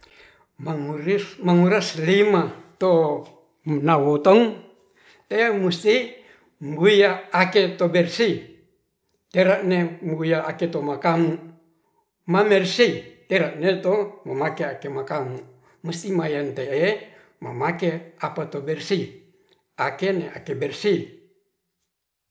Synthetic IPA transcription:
maŋuɾimaŋuɾaslimat̪o | nawot̪ɔŋ | t̪eemust̪i | mɡujaːket̪obɛrsi | t̪eɾaʔnemɡujaʔaket̪omakamu | mamɛrsit̪eɾaʔnet̪omamakeakemakamu | must̪imajant̪eʔe | ma̰makeapat̪obɛrsi | akeneʔa̰kebɛrsi

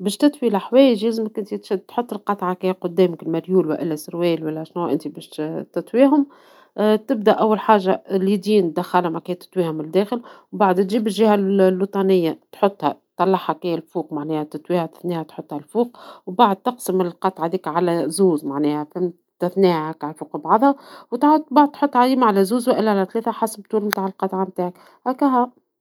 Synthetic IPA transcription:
bɛːʃt̪ɪt̪wilaħwɛːjəʒjæzmækʔɪnt̪it̪ʃæd̪t̪ħot̪ˤːəlqɑt̪ˤʕɑkæjæqʊd̪ːɛːmkɪlmæɾjuːlwæʔɪlːæsɾwɛːlwælːæʃnuʔɪnt̪ibɛʃt̪ɪt̪ˤwiːɦʊm | t̪ɪb̚d̪æʔæwːælħaːʒːalid̪iːnd̪æxːɑlamækɛːt̪ɪ̥t̪ˤwiːhʊmɪld̪ːæːxəlwbaʕd̪t̪ʒiːbɪlʒɪhællwit̪ˤɑnɪjːat̪ħot̪ˤːhætt̪ːˤɑlːɑħhɑkæjælfuːq̚maʕnɛːhæt̪ɪt̪wiːhæt̪ɪ̥θniːhæt̪ħʊt̪ˤːhælfuːqwbaʕd̪̚t̪ɑqsəmɪlqɑt̪ˤʕad̪iːkʕalæzuːzmaʕnɛːhæfɪm | t̪ɪθniːhækʕalfuːqəbʕɑðˤhɑwt̪ad̪̚baʕd̪̚t̪ħot̪ˤːʕaziːmaʕalæzuːzwæʔɪlːʕalæt̪leːθæħɑsəb̚t̪uːlmt̪aːʕɪlqɑt̪ˤʕamt̪aːʕak | hækæɦæ

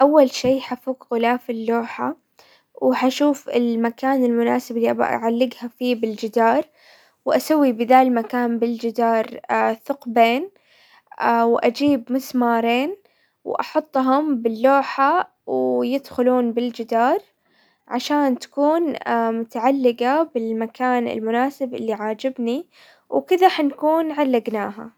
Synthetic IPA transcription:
ʔawːalʃiːħafuːɡɣʊlaːfɪlːoːħa | whaʃuːfɪ̰lmakaːnɪlmʊnaːsɪblːiʔa̰b̰ʕalːɪɡhafiːbɪld͡ʒɪd̪ɑːɾˤ | wʔasawːibɪðaːlmakaːnbɪld͡ʒɪd̪ɑːɾˤθʊqbeːn | wʔad͡ʒiːbmʊsmɑːɾˤeːn | wʔɑ̰ħʊt̪ˤːɦʊmbɪlːoːħa | wjɪd̪xʊluːnbɪld͡ʒɪd̪ɑːɾˤ | ʕaʃaːnt̪ḁkuːnmʊt̪aʕalːɪɡabɪlmakaːnɪ̰lmʊnaːsɪbʔɪlːiʕaːd͡ʒɪbni | wkɪðaħankuːnʕalːaɡnaːɦa̰

